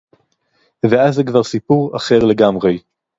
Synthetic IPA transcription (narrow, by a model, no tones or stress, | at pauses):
veazekvaʁsipuʁaχe̞ʁle̞ɡamʁej